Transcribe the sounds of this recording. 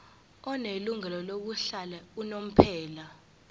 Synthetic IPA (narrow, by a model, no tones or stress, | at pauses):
ɔneluŋɛlɔloɓ̬uɬalɛunom̩pʰɛːla